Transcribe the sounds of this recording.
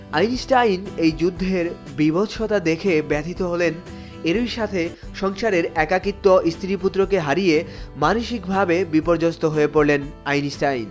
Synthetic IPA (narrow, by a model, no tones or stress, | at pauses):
ajnisʈajnejd͡ʑud̪ʱːeɾ | bibotʃʰot̪ad̪ekʰebɛt̪ʰit̪oɦolen | eɾiɾʃat̪ʰe | ʃɔŋʃaɾeɾɛkakit̪ːoʔist̪ʰɾiput̪ːɾokeɦaɾijemanoʃikbʱabebipoɾd͡ʑost̪oɦoepoɾlenajnisʈajn